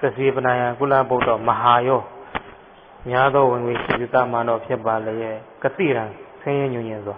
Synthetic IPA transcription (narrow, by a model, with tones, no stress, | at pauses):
t̪ɪ˨sʰje˨pə˨nã˨jã˨k̬u˦la̰˦˨bõ˦˨tɔ˨məɦa˨jɔ˦˨ | mja˦d̪wɔ˦wɪ̃˨ŋɡwe˨ʃḭ˦˨zi˦˨t̪a̰˦˨mã˨ndɔ̰˦˨pʰjɪ˦ba˨le˨jɛ˦˨kət̪ḭ˦˨ɾã˨sʰwɪ̃˦jɪ̃˦ɲũ˨ɲɪ̃˨nzwa˨